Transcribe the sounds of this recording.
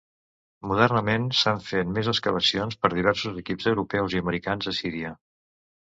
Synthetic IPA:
muð̞ɛrnəmensaɱfet̪mezəskəβ̞əsionspəɾðiβ̞ɛrsuzəkipzəwɾupɛwziəməɾikanzəsiɾiə

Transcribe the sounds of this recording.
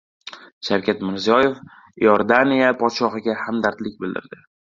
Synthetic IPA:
ʃawkʲʰat̪mɪɾzijɒje̞f | joɾd̪anijapʰɒt̪ʃɒɦɨɡʲahamd̪aɾt̪lɪk̚ʲbɪld̪ɪ̰ɾd̪ɪ

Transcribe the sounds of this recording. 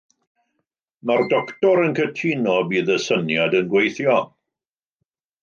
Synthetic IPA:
mardɔktɔɾənkʰətʰinɔbiːðəsənjadənɡwejθjɔ

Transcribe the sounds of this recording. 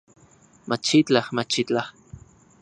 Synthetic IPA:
mat͡ʃit͡ɬahmat͡ʃit͡ɬah

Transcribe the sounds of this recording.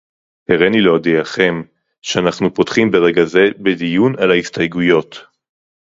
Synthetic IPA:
heʁeniloːdijaχe̞m | ʃeanaχnupotχimbe̞ʁeɡaze̞bedijunalaistajɡujo̞t

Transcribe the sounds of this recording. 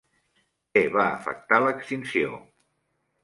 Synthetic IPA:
eβaə̰fə̰k̚t̪aləkst̪insio̰

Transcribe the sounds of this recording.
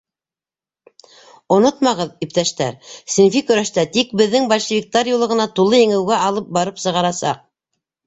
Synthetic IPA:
ŏnot̪mɑʁɤðip̚t̪æʃt̪æ̰ɾsinfikɵ̆ɾæʃt̪æt̪ik̚bɘ̆ðːɘŋbɑlʲʃɘ̆vʲik̚t̪ɑɾjulˠɤ̆ʁɤ̆nɑt̪ulˠɤjɘ̆ŋɘ̆wɡæʔɑlˠɤp̚bɑɾɤpsɤ̆ʁɑɾɑsɑ̰q̚

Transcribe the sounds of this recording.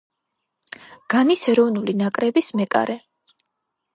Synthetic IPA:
ɡ̥anisɛɾɔvnulinakʼɾɛbismɛkʼa̰ɾʔɛ

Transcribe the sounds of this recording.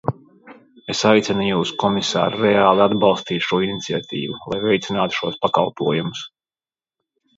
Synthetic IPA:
esajt̪sʲɛnujuːskɔmisa̰ːɾɾɛaːlˠiad̪bɑlˠst̪iːt̪ʃuɔinit̪siat̪ʲḭːvulˠa̰jvɛjt̪sʲinaːt̪u̥ʃuɔspakɑ̰lˠpuɔjumʊs

